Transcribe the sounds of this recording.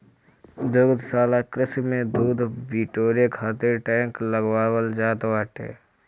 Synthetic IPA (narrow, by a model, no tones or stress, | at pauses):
d̪əɡd̪saːlakɾɪsmẽd̪uːd̪ʱbiːʈoːɾekʰaːt̪eɾʈɛ̃ːŋkləɡwaːwəld͡ʒaːt̪waːʈḛː